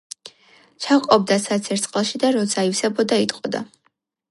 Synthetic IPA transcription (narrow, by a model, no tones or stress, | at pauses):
t͡ʃʰaqʼɔb̚d̪asat̪sʰɛɾt̪sʼqʼlˠʃid̪aɾɔt̪sʰaifsɛbɔd̪ait̪ʼqʼɔd̪a̰